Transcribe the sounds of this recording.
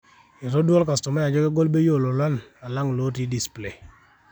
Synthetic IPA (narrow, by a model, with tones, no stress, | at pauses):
ɪ˨ɾo˦dwɔ˦lka˨stɔ˨mɛ˦ja˨d͡ʒɔ˦kɛ˦ɡɔ˦lbe˦jo˦˨lo˨la˦na˨la˦ŋ˨lo˦ti˦di˨sple˨